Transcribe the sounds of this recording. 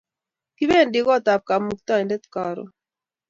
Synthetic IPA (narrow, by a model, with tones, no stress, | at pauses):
ki˦be˦˨ndɪ˦kɔ˦˨t̪a˨p̚ka˨mu˨k̚t̪a˦e˨ndɛ˦t̪ka˨ɾɔ̰˨